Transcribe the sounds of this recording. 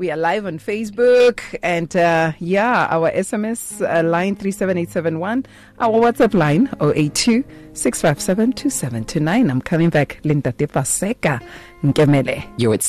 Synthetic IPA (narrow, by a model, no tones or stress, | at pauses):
wialaɪvɔ̃nfeɪs̬bukʰɨ̃ndajaa̰wəʔɛsɛmɛslãɪ̃nθɹisɛvɛ̃netsɛvɛ̃nwãn | ʔawəwatsaplãɪ̃noʔetʰːʉsɪksfaɪv̥sɛvɛ̃ntʰusɛvɛ̃ntʰunãɪ̃nãɪ̃mkʰʌmɪ̃ŋbæklĩndad̥̪ɛfasɛka | ŋ̩kʼɛmɛlɛjoɪts